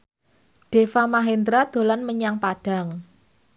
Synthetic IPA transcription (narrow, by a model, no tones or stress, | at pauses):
ɖ̥e̤famaɦend̪ɾad̪̥o̤lanməɲaŋpaɖ̥a̤ŋ